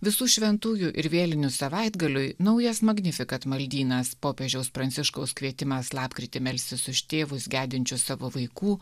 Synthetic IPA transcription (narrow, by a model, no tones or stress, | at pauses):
ʋʲɪsuːʃʲʋʲɛnt̪uːjuʔɪ̰ɾʋʲeːlʲɪnʲʊsɐʋɐɪd̪ɡɐlʲʊɪnɐʊjɛsmɐɡnʲɪfʲɪkɐt̪mɐlʲd̪ʲiːnɐspoːpʲeːʒʲɛʊspɾɐnʲt̪sʲɪʃkɐʊskʋʲiɛt̪ʲɪmɐslˠɑːpkɾʲɪt̪ʲɪmʲɛlʲsʲɪsʊʃt̪ʲeːʋʊsɡʲæːd̪ʲɪnʲt͡ʃʲʊsɑːʋoːʋɐɪkuː